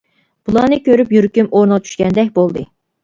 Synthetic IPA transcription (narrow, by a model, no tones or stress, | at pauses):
b̥ulˠɑnɨkʲøɾypjyɾkʲymoɾnɨʁɑt͡ʃʰy̥ʃkʲɛnd̪ɛkʲbolˠd̪ɨ